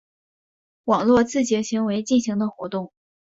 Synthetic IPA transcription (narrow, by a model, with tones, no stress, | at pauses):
wɑ˨˩ŋlwɔ˥˧t͡sɹ̩˥˩t͡ɕjɛ˧˥ɕi˧˥ŋwe˧˥ɪt͡ɕi˥˩nɕi˧˥ŋd̪ə˧xwɔ̰˧˥t̪ʊ˥˩ŋ